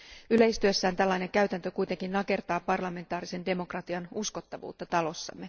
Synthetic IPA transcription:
yle̞jst̪yøsːæːnt̪ælːɑjne̞ŋkæɥt̪ænt̪økujt̪e̞ŋkinːɑke̞rt̪ɑːpɑrlɑme̞nt̪ɑːɾise̞nde̞mo̞krɑt̪iɑnusko̞t̪ːɑʋṵːt̪ːɑt̪ɑlo̞sːɑ̰mːe̞

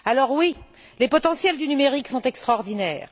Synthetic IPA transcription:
alɔʁwi | lepɔt̪ɑ̃sjɛld̪ynymeʁiksɔ̃t̪ɛkst̪χɔʁd̪inɛːʁ

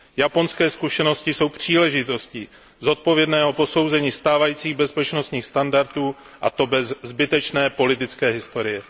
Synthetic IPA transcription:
japo̞nskɛːskuʃɛno̞scɪso̞wpr̝̥iːlɛʒɪt̪o̞sci | zo̞t̪̚po̞vjɛdnɛːɦo̞po̞so̞wzɛɲiːst̪aːvajiːt͡siːɣbɛspɛt͡ʃno̞st̪ɲiːxst̪andaɾt̪uː | ʔa̰t̪o̞bɛzzbɪt̪ɛt͡ʃnɛːpo̞lɪt̪ɪt͡skɛːɦɪst̪o̞ɾɪjɛ

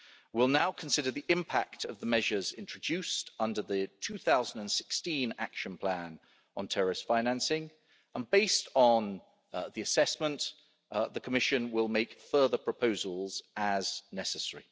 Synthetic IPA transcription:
wɪlˠnaʊkʰə̃n̩sɪɾəðiʔɪ̃mpʰa̰k̚tʰəvðəmɛʒəzɪ̃nt͡ʃɹ̥əd͡ʒʉˑstʌ̃ndəðətʰʉːθaʊzən̩də̃nsɪ̥kstĩna̰kʃə̃npʰl̥æ̃n | ə̃ntʰɛɹɪstfãɪ̃næ̃nsɪ̃ŋ | ə̃nbeɪstn̩ | ðiəsɛsmə̃nʔ | ðəkʰəmɪʃə̃nwɪlˠmeɪkfɜːðəpʰɹ̥əpʰəʊzəlˠz̥əznɛsəsɛɹḭ

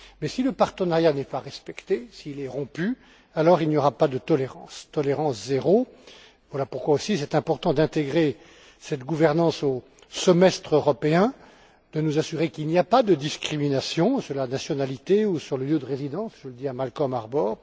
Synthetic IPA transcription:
mɛsiləpaʁt̪ənaʁjanɛpaʁɛspɛkt̪esiːlɛʁɔ̃py | alɔʁilnjɔʁapad̪ət̪ɔleʁɑ̃st̪ɔleʁɑ̃szeʁo | vwalapuʁkwaosisɛt̪ɛ̃pɔʁt̪ɑ̃d̪ɛ̃t̪eɡʁe | sɛt̪ɡuvɛʁnɑ̃so | səmɛst̪χøʁɔpeɛ̃ | d̪̥ənuzasyʁekilniapad̪əd̪iskχiminasjɔ̃syʁlanasjɔnalit̪eusyʁləljød̪əʁezid̪ɑ̃sʒ̥ələd̪iamalkɔmaʁbɔːʁ

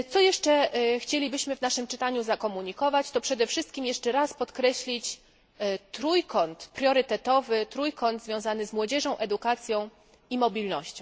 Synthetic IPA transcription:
t̪sɔjɛʂt͡ʂɛxt͡ɕelʲibɘɕmɘvnaʂɘmt͡ʂɘt̪aɲuzakɔmuɲikɔvat͡ɕt̪ɔpʂɛd̪ɛfʂɘst̪̚kʲimjɛʂt͡ʂɛɾaspɔt̪kɾɛɕlʲit͡ɕ | t̪ɾujkɔnt̪pɾʲjɔɾɘt̪ɛt̪ɔvɘt̪ɾujkɔnt̪zvʲjɔ̃w̃zanɘzmwɔd͡ʑɛʐɔ̃w̃ʔɛd̪ukat̪sʲjɔ̃w̃ | imɔbʲilnɔɕt͡ɕɔ̃w̃

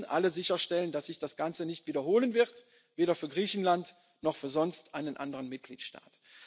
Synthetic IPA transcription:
nʔa̰ləzɪçɐʃtɛləndasz̥ɪçd̥asɡ̥ant͡sənɪçtv̥iːdɐhoːlənvɪʁt | veːɾɐfyːɐɡʁiːçn̩lant | nɔχfyːɐzɔnstʔaɪnənʔa̰ndəʁənmɪt̚ɡ̥lḭːtʃta̰ːt

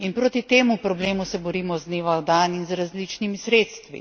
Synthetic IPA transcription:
inpɾoːt̪it̪eːmupɾɔbleːmusɛbɔɾiːmɔzneʋad̪aːninzɾazlit͡ʃnimisɾeːt̪st̪ʋḭ

